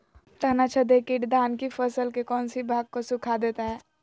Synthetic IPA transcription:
t̪əɦnat͡ʃʰəd̪ekiʈd̪aːnkifəsəlkekɔːnsibʱaːɡ̚kosukʰad̪eːt̪aɦɛː

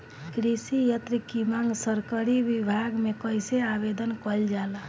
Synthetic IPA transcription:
kɾisijət̪ɾikimaŋɡsəɾkəɾibibʱaɡmekəjseabed̪ənkəld͡ʒala

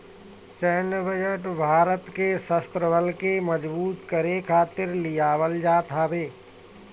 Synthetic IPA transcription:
sɛːnʋəd͡ʒəʈbʱaːɾət̪kesəst̪ɾəbʱəlkeməd͡ʒbuːt̪kəɾekʰaːt̪ɪɾlɪjaːʋəld͡ʒaːt̪ɦabeː

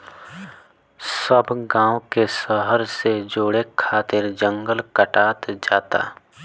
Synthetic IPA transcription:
səbɡãːwkesəɦəɾsed͡ʒoːɽekʰːaːt̪ɪɾd͡ʒə̃ŋɡəlkəʈaːt̪d͡ʒaːt̪a̰ː

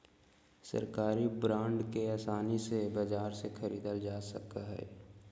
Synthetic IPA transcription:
sɐ̰ɾkaːɾibɾãːɳɖkeaːsaːnisebɐd͡ʒaːɾsekʰəɾḭːd̪əld͡ʒaːsɐkaɦɛ̰ː

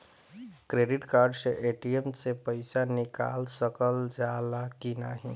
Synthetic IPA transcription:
kɾeːɖɪʈkaːɾɖseʔeːʈiemsepəɪsanɪka̰ːlsəkəld͡ʒaːlakinaɦĩ

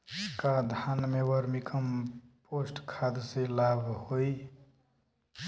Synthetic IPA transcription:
kad̪ʱanmewəɾmikʰəmpoːsʈkʰad̪selaːbʱhoi

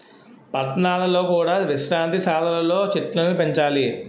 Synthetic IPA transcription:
pɐt̪naːlɐlo̞ːkuːɽaːʋiʃɾaːnt̪isaːlɐlɐlo̞ːt͡ʃiʈlɐnnupeɲt͡ʃaːli

